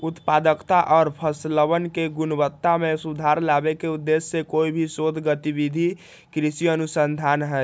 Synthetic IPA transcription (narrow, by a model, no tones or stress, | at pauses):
ut̪pad̪əkt̪aʔɔːɾpʰəsləβənkeɡunbət̪ːamesud̪ʱaɾlabekeud̪ːesːekoibʱisod̪ʱɡət̪ibid̪ʱi | kɾisiənusənd̪ʱanɦə